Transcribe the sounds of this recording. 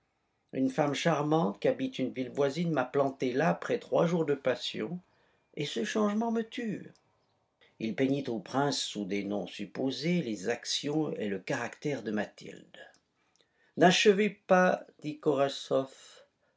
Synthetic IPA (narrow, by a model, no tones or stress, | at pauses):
ynfamʃaʁmɑ̃t̪kʲiabit̪ynvilvwazinmaplɑ̃t̪elaːpχɛt̪χwaʒuʁd̪əpasjɔ̰̃ | esəʃɑ̃ʒmɑ̃mət̪yːʁ | ilpeɲit̪opχɛ̃sːud̪enɔ̰̃sypozelezaksjɔ̃ḛləkaʁakt̪ɛʁd̪əmat̪ʰḭld̪ | naʃəvepad̪ikɔʁasɔf